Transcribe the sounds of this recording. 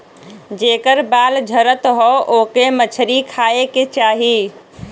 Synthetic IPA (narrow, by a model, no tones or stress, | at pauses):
d͡ʒekəɾbald͡ʒʱəɾət̪ɦɔokemət͡ʃʰɾikʰaeket͡ʃaɦi